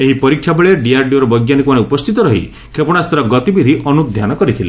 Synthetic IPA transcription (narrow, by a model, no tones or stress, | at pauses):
eɦipɔɾikʰːjabeɭeɖiaɾɖijoɾɔbɔjɡjanikumaneupɔst̪ʰit̪ɔɾɔɦḭ | kʰepɔɽ̃ast̪ɾɔɡɔt̪ibid̪ʱiʔɔnud̪ʱjanɔkɔɾit̪ʰile